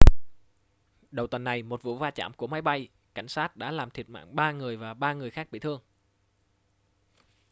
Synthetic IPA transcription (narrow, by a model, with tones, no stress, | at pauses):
ɗə˨˩wt̪wə˨˩nːa˨˩jmo˨˩t̚vṵ˧˥vaː˧t͡ɕa̰ː˧˩mku˧˩əma˨˦jɓa˧j | ka˧˩jŋ̟saː˦˥t̚ɗa̰ː˧˥laː˨˩mt̪ʰi˨˩ət̚ma̰ː˧˨ŋɓaː˧ŋɨ˨˩əjvaː˨˩ɓaː˧ŋɨ˨˩əjxaː˦˥k̚ɓḭ˧˨t̪ʰɨ˧əŋ